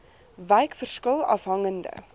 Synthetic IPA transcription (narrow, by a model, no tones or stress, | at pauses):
vɛjkfərskəlˠɐ̰fɦɐŋəndə̰